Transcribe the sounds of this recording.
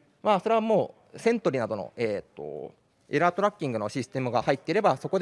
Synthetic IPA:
maːso̞ɾe̞βamo̞ː | sẽ̞nt̪o̞ɾʲinad̪o̞no̞̰eːt̪ːo̞̰ | eɾaːt̪o̞ɾakʲːĩŋɡɯ̟no̞ɕisɨ̥t̪e̞mɯ̟ɡahait̪ːeiɾe̞baso̞ko̞d̪

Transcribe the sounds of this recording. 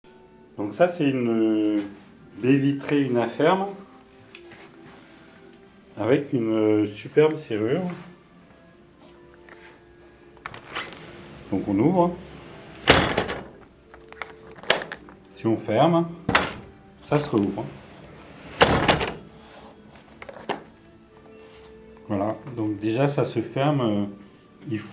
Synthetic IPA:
d̪̥ɔ̃ksasɛynə | bevit̪χeynafɛʁm | avɛkynøsypɛʁbseʁyʁ | d̪̥ɔ̃kɔ̃nuvʁ | siɔ̃fɛʁm | sasəʁəuvʁ | vwalad̪ɔ̃kd̪eʒasasəfɛʁmø | ilf

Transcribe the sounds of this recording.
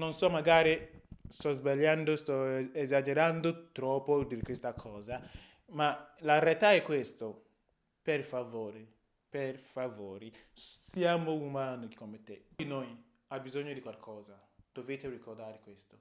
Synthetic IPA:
nonsɔmaɡaɾist̪ɔzbaljand̪ost̪ɔɛzad͡ʒeɾand̪ot̪ɾɔpːod̪ikwest̪akʰɔːza | malaɾɛlt̪aɛkːwest̪o | perfavoːɾe | perfavoːɾisjamoumaːnoki̥kːomːet̪ːeinoj | abizoɲːod̪ikwalkʰɔːzad̪̥ovet̪erikord̪aːɾekwest̪o̥

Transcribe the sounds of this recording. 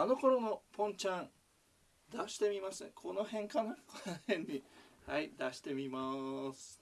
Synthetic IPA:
ano̞ko̞ɾo̞no̞põ̞ɲ̟t͡ɕãn | d̪aɕi̥t̪e̞mʲimasɨkʰo̞no̞hẽ̞ŋkanakonohẽɲ̟ːihaid̪aɕi̥t̪e̞mʲimasɨ̥

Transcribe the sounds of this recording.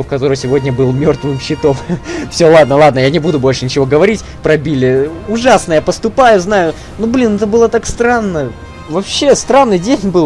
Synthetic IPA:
fkɐt̪o̞ɾəjsʲɪvo̞dʲnʲəbɨlˠmʲo̞rt̪vɨmɕːɪt̪o̞mfsʲolˠad̪nəlˠad̪nəjanʲɪbud̪ʊbo̞lʲʂɨnʲɪt͡ɕɪvo̞ɡəvɐɾʲitʲ | pɾɐbʲilʲɪʊʐasnəjapəst̪ʊpajʊznajʊ | nublʲinɛt̪əbɨlˠət̪akst̪ɾanːə | vɐpɕːest̪ɾanːɨjdʲenʲbɨlˠ

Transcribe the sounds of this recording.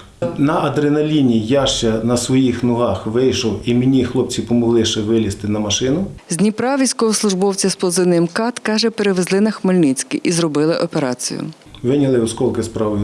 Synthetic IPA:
nɐɐd̪ɾenɐlʲinʲijaʃt͡ʃɛnɐsʋɔjixnʊɦɑxʋɪjʃɔwimʲinʲixlˠɔpt͡sʲipɔmɔɦlˠɪʃɛʋɪlʲist̪ɪnɐmɐʃɪnʊzʲnʲipɾɑʋʲisʲkɔɦɔslˠʊʒbɔwt͡sʲɐsplˠɔzɪnɪɛmkɑt̪kɑʒɛpeɾeʋezlˠɪnɐxmɔlʲnit͡sʲkʲḭʔizɾɔbɪlˠɪʔɔpeɾɑt͡sʲḭjʊ̰ | ʋɪnʲɐlˠɪskɔlˠkɪspɾɑʋɪ

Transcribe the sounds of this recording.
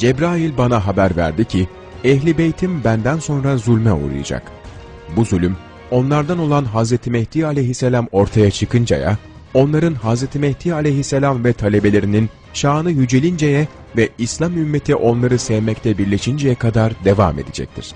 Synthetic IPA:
d͡ʒɛbɾaːjilʲbanaɦabæɾvæ̰ɾd̪icʰi | ɛçlʲibejt̪ʰimbænd̪ænso̞nɾazulʲmɛṵɾṵja̰d͡ʒa̰k | buzylʲym | o̞nlˠaɾd̪ano̞lˠanɦazɾet̪ʰimɛht̪ialʲeɦiselʲamo̞ɾt̪ʰajat͡ʃʰɯkʰɯnd͡ʒa̰ja̰ | o̞nlˠaɾɯnɦazɾet̪ʰimɛht̪ʰiːalʲejɦiselʲamvɛt̪ʰalʲe̞be̞lʲe̞ɾinin | ʃaːnɯjyd͡ʒelʲind͡ʒejɛ | vɛislʲˠamymːet̪ʰiʔo̞nlˠaɾɯsɛvmɛct̪ʰɛbiɾlʲeʃind͡ʒejɛkʰad̪aɾd̪e̞va̰ːme̞̰d̪id͡ʒɛ̰c̚t̪ʰḭɾ̥

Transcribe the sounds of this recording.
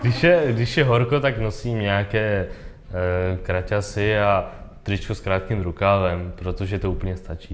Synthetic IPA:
ɡdɪʃjɛɡdɪʃjɛɦo̞ɾko̞t̪akno̞siːmɲɛakɛː | kɾacasɪat̪rɪt͡ʃkoskɾaːt̪̚kimɾukaːlɛmpɾo̞t̪oʒɛt̪ouːpl̩ɲɛst̪at͡ʃiː

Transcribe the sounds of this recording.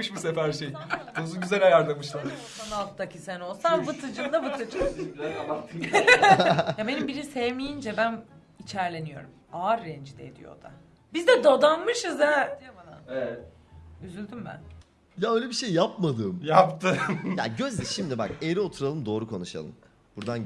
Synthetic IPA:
ɯʃmusepæɾʃejuzunɟyzælʲajaɾlˠamɯʃlˠaɾ | analˠt̪ɯd̪acʰisæno̞lˠsambɯt̪ʰɯd͡ʒɯnd̪abɯt̪ʰɯt͡ʃɛabakt̪ʰɯ | jabe̞nimbiɾinsevmijind͡ʒɛbæn | it͡ʃʰæɾlʲe̞nijo̞̰ɾumaɾːɛnd͡ʒid̪ɛ̰ḛd̪ḭjo̰d̪̥a̰ | bizd̪ɛd̪o̞d̪anmɯʃɯzjad̪ijobana̰nɛɛ | yzylʲd̪ymbæ̰n | jaøjlʲebiʃejːapmad̪ɯːmjapt̪ʰɯja̰ɟø̞zd̪ɛʃimd̪ibakeɾio̞t̪ʰuɾalˠɯmd̪o̞ːɾukʰo̞nuʃa̰lˠɯ̰m | buɾd̪an

